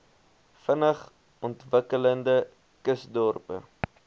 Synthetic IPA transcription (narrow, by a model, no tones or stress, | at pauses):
fənəχ | ɔntvəkələndə | kəsdɔrpə̰